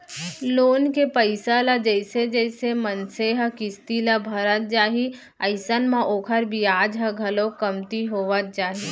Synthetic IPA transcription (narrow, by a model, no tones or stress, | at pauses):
loːnkepəɪsalad͡ʒəɪsed͡ʒəɪsemənseɦə̃kɪst̪ilabʱəɾət̪̚d͡ʒaːɦi | ɐɪsənmãʔoːkʰəɾbʱiaːd͡ʒɦə̃ɡʱɐlokɐmt̪iɦoːʋət̪̚d͡ʒaːɦi